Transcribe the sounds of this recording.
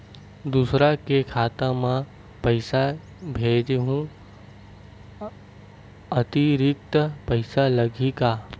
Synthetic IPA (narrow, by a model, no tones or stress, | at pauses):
d̪uːsɾakekʰaːt̪amã | pəɪsa | bʱeːd͡ʒɦũ | ət̪iɾɪk̚t̪pəɪsalɐɡikaː